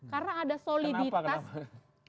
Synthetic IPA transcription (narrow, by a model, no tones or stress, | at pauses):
karnaːdasolidit̪as